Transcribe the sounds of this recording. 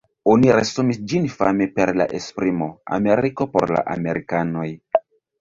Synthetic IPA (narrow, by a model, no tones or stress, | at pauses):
o̞niɾesumisd͡ʒinfa̰me̞pe̞ɾla̰ʔespɾimo̞a̰me̞ɾiko̞po̞̰ɾla̰ʔame̞ɾikano̞j